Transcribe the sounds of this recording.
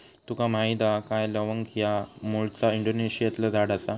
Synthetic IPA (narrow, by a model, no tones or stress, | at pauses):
t̪ukam̤ajd̪akajləʋəŋkʰijamuɭt͡saiɳɖoneɕijat̪lad͡zaɽasa